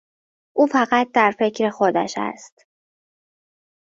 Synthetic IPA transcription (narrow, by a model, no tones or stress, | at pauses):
ʔuːfæɣæt̪̚d̪æɾfe̞cʰɾexod̪æ̰ʃæ̰st̪